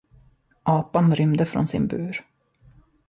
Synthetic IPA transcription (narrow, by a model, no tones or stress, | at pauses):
ʔɑːpanɾʏmd̪əfɾɔ̰nsɪ̰nbʉːɾ